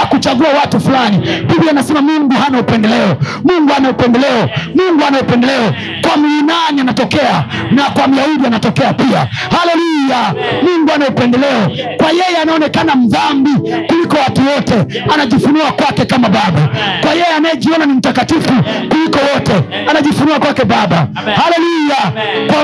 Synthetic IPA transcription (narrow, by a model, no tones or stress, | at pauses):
kut͡ʃaɡuawatufulanipivianasɛmamuŋɡuhanaupɛndɛlɛɔmuŋɡuanaupɛndɛlɛɔmuŋɡuanaupɛndɛlɛɔ | kwamuinanianatɔkɛanakwam̩jauɗianatɔkɛapia | halɛlujamuŋɡuanaupɛndɛlɛɔkwajɛjɛanaɔnɛkanam̩ðambikulikɔwatuwɔtɛanaʄifunuakwakɛkamaɓaɓakwajɛjɛanajɛʄiɔnanim̩takatifukulikɔwɔtɛanaʄifunuakwakɛɓaɓa | halɛlujakwa